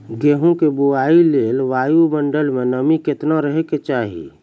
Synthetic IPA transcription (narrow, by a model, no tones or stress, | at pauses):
ɡeːɦũkebuaːileːlʋaːjuməɳɖəlmẽnəmikɪt̪naɾəɦeket͡ʃaːɦḭ